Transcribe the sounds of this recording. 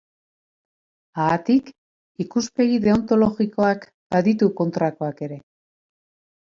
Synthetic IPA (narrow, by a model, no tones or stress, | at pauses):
aːt̪ik | ikuspe̞ɣiðe̞o̞nt̪o̞lo̞ɣiko̞ak | b̥aðit̪uko̞nt̪ɾako̞ake̞ɾe̞